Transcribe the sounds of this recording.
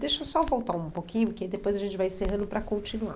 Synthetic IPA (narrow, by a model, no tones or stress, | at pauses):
d̪eʃowsɔvowt̪aũpokĩɲʊked̪epojzɐʒẽnt͡ʃɪvajẽseɦɐ̃nd̪ʊpɾɐkõt͡ʃinua̰